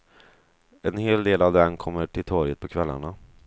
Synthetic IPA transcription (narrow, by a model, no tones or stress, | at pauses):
ɛnheːld̪eːlavd̪ɛnkʰɔmːəʈʰɪlt̪ʰɔɾjət̪̚pʰɔkʰvɛlːa̰ɳa